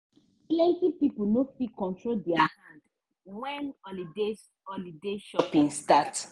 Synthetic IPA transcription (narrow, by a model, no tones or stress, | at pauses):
plɛ̃ntipipunofikɔ̃ntɹoldɛahãnd | wɛ̃ne | ɔlideʃɔpĩnstat